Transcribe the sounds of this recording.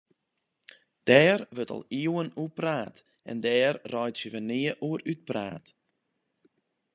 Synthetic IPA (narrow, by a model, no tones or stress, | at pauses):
d̥ɛːrʋøtɔ̰lˠiəwənupraːt | ɛ̰ndɛːrːɔjtsjəʋənɪːəʔuəɾyt̚pra̰ːt